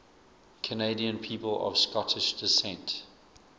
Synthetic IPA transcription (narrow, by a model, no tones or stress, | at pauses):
kʰəneɪdiə̃npʰiːpələ̰v̥skɔtʰɪʃd̥ɪsɛ̃nt